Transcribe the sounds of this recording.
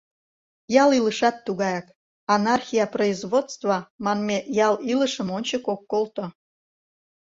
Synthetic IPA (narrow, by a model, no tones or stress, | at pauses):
jɑliləʃɑt̪ːuɣɑjɑk | ɑnɑrxʲijɑproizβot̪st͡st̪vɑmɑnmejɑliləʃə̆monʲt͡ɕəkokːolˠt̪ŏ